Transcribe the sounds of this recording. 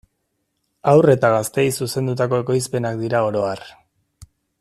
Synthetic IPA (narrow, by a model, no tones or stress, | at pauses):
awre̞t̪aɣast̪e̞jsuse̞nd̪ut̪ako̞e̞ko̞jspe̞nakd̪iɾao̞ɾo̞ar